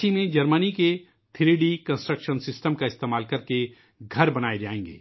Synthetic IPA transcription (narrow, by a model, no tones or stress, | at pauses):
imẽd͡ʒɐɾmənike | t̪ʰɪɾeɖikɐ̃nsʈɾəkʃənsɪsʈəmkaɪst̪eːmaːlkɐɾke | ɡʱɐɾbɐnaːed͡ʒa̰ːẽːŋɡḛː